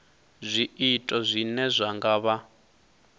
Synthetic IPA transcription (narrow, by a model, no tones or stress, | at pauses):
zʷiitʼɔzʷinɛzʷaŋɡaβa